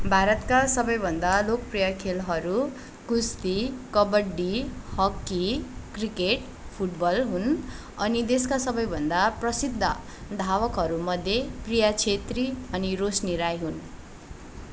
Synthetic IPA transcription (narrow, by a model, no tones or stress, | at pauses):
bʱaɾʌt̪kasʌbʌjbʱʌnd̪alok̚prijʌkʰelɦʌɾu | kust̪ikʌbʌɖihʌkːikrikeʈ | pʰuʈbʌlɦun | ʌnid̪eskasʌbʌjbʱʌnd̪aprʌsid̪ʱːʌ̰ | d̪ʱawʌkɦʌɾumʌd̪ʱjeprijat͡sʰet̪riʌniɾosniɾajɦun